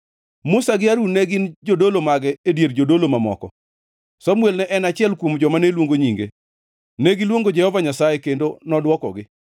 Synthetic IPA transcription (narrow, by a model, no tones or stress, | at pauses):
mʊsaɡɪaɾunɛɡɪnd͡ʒodolomaɡɛedjerd͡ʒodolomamɔ̰kɔ̰ | sɔmwelnɛʔɛnat͡ʃɪɛlkwomd͡ʒɔmanelwoŋɡoɲiŋɡe | neɡɪlwoŋɡod͡ʒɛhɔvaɲasajekendonɔdwɔkɔ̰ɡɪ